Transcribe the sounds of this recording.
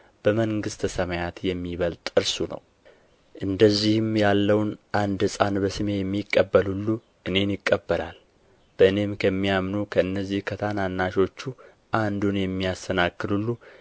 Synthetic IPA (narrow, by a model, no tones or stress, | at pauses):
b̥əməŋɡɨst̪ʰəsəmajat̪jɛmːiβəlt̪ʼɨɾsunə̰w | ʔɨnd̪əzːihɨmjalːəwnʔand̪sʼanbəsɨme̞jɛmːikʼːəbːəlulːu | ʔɨne̞njɪkʼːəbːəlʔa̰l | b̥əɨne̞mkʰəmːijamnukʰəɨnːəzːihkʰət̪ʰananːaʃo̞t͡ʃːu | ʔand̪unjɛmːijast̪ʰənakːɨlulːu